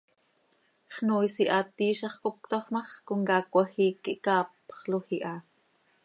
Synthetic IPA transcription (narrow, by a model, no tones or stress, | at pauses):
χnoːjsiʔɑːt̪iːʃɑχkop̚kt̪ofmɑχkuŋkɑːkʷaxiːkiʔkɑːpχɬohiʔɑ